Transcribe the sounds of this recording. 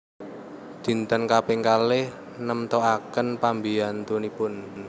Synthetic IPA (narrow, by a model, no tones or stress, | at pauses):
d̪̥i̤nt̪ənkapeŋkalɪh | nəmt̪oakənpambiant̪unipʊn